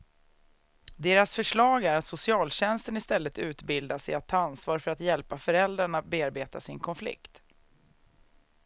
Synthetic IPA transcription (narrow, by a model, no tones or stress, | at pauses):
d̪eːɾasfœʂɭɑːɡæɾat̪sʊsɪɑːlɕɛnst̪ənɪst̪ɛlːət̪ʉ̟ːt̪bɪld̪asɛjat̪ʰːɑːansvɑːɾfœɾat̪jɛlpafœɾɛld̪ɾaɳat̪̚beːaɾbeːt̪a̰sɪnkʰɔnflɪ̰kt̪